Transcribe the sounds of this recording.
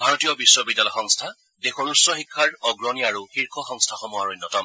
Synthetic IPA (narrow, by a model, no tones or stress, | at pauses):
bʱaɹɔtijɔbiswɔbid̪ːalɔjxɔŋstʰa | dexɔnusːɔxikʰːaɹɔɡɹɔniaɹuxiɹkʰɔxɔŋstʰaxɔmɔaɹonːɔtɔm